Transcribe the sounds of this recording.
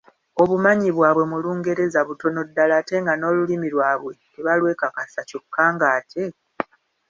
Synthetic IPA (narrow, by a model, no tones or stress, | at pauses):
o̞βumaɲiβwaːβwe̞muluːŋɡe̞ɾe̞zaβuto̞no̞dːalaːte̞ŋɡano̞ːlulimilwaːβwe̞ | eβalwe̞ːkakasacokʰːaːŋɡaːtʰe̞